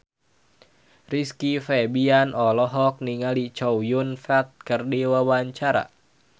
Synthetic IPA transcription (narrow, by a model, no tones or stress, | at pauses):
riskifɛbianʔɔlɔɦɔk̚niŋalit͡ʃɔwjunfɛt̪̚kɨrdiwawaɲt͡ʃaɾa̰